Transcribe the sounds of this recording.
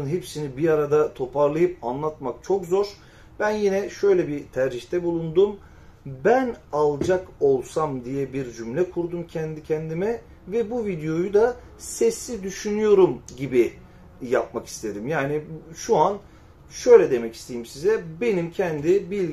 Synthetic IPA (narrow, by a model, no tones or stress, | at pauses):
ɯnɦepsinibiaɾad̪at̪ʰo̞pʰaɾlˠajɯp̚anlˠat̪mak̚t͡ʃʰo̞kzo̞ɾ | b̥ænjinɛʃø̞jlʲɛbit̪ʰæɾd͡ʒiçt̪ʰɛbulˠund̪um | bænalˠd͡ʒako̞lˠsamd̪ijɛbiɾd͡ʒymlʲɛkʰuɾd̪umcʰɛnd̪icʰɛnd̪imɛ | vɛbuvid̪ejo̞jud̪a | sɛsːid̪yʃynyjo̞ɾumɟibi | jap̚maki̥st̪ʰe̞d̪imjaːniʃuan | ʃø̞jlʲɛd̪e̞mɛci̥st̪ʰe̞jimsizɛbe̞nimcʰɛnd̪ibilʲ